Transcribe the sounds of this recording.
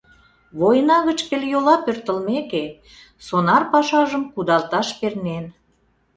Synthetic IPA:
βojənɑɣət͡ɕpeljolɑpørt̪ə̆lmeke | sonɑrpɑʃɑʒəmkud̪ɑlt̪ɑʃpernen

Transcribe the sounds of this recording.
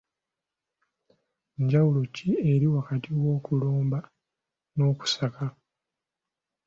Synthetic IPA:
ɲɟawulocie̞ɾiwakatiwo̞ːkulo̞ːmba | no̞ːku̥saka

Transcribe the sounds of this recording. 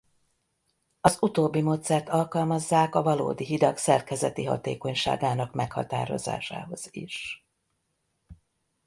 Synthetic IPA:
ɒzut̪oːbːimoːt̪sɛrt̪ɒlkɒlmɒzːaːkɒvɒlo̰ːd̪iɦid̪ɒksɛrkɛzɛt̪iɦɒ̰t̪eːko̞ɲʃa̰ːɡaːnɒkmɛkhɒ̰t̪a̰ːɾo̞̰za̰ːʃa̰ːɦo̞z̥ḭʃ

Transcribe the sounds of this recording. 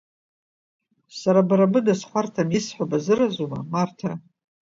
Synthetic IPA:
saɾabɾabɨdasχʷartʰamjisħʷabazɨrazuma̰martʰa

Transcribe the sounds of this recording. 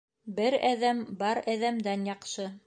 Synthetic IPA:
bɘɾæðæmbɑɾæðæmd̪ænjɑqʃɤ

